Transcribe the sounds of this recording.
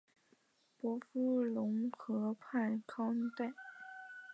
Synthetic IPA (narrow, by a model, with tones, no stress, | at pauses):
pwɔ˧˥fu˥lʊ˧˥ŋxɤ˧˥pʰa˥˩nkʰɑ˥t̪e˥˩ɪ